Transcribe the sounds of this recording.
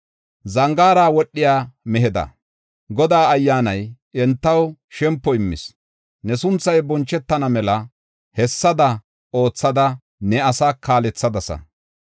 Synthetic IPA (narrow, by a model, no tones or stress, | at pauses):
zɐŋɡaːɾaːwɔɗːɪjaːmɛɦɛd̪ɐ̰ | ɡɔd̪aːɐjːaːnɐjʔɛnt̪ːɐwʃɛmpːɔɪmːɪ̰s | nɛsʊnt͡sːɐjbɔnt͡ʃːɛt̪ːɐnɐmɛlɐ | hɛsːɐd̪ɐ | o̞ːt͡sːɐd̪ɐ | nɛɐsaːkʰːaːlɛt͡sːɐd̪ɐsɐ̰